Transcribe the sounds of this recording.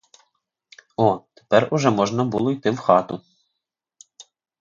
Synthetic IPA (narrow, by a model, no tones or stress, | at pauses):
ɔt̪e̥pɛrʊʒɛmɔʒnɐbṵlˠɔjt̪ɪwxɑt̪ʊ